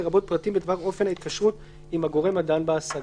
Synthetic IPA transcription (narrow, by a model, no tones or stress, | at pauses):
eʁabo̞t̪̚pʁatimbed̪vaʁo̞fenhait̪̚kaʃʁut̪ | imhaɡo̞ʁe̞madanbaasa